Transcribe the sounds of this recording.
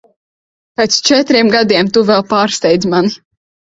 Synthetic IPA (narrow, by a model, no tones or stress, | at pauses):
pet̪st͡ʃɛt̪ɾiɛmɡad̪iɛmt̪uvɛlˠpaːɾst̪ʲɛjd̪zmani